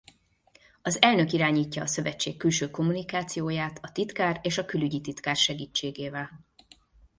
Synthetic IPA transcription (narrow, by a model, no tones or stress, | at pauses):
ɒzɛlnø̞kiɾaːɲiːcːɒːsø̞vɛt͡ʃːḛːkːylʃøːko̞munikaːt̪sijoːjaːt̪ɒt̪it̪kaːreːʃɒkylyɟit̪it̪kaːrʃɛɡiːt͡ʃːeːɡeːvɛl